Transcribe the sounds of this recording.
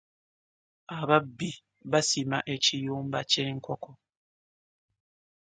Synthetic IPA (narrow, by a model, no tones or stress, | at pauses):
aβabi | βasimaʔet͡ʃijom̩bat͡ʃeŋ̩kɔkɔ